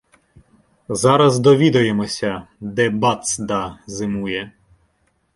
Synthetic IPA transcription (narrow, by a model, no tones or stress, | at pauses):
zɑɾɐzd̪ɔʋʲid̪ɐjemɔsʲɐd̪ɛbɑt̪sd̪ɑzɪmujɛ